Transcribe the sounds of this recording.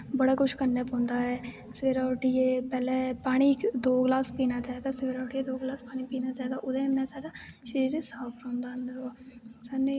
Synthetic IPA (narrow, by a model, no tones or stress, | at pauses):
bəɽaːkʊʃʰkənːeːpɔ̃ːnd̪aːɦɛː | sɪʋeːɾaːʈieːpɛːlɛ̃ːpaːɽ̃iːd̪oːɡlaːspiːnaːt͡ʃaːid̪aːsɪʋeːɾaːʈiːed̪oːɡlaːspaːɽ̃iːpiːnaːt͡ʃaːid̪aːʔʊd̪ẽːnaːsaːɖaːʃəɾiːɾesaːpʰɾõːnd̪aːənd̪əɾosaːneː